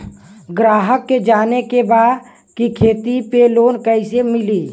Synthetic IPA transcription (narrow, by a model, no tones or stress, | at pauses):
ɡɾaːɦəkːed͡ʒaːnekebaːd̪ | kikʰeːt̪ipeloːnkəɪsemɪliː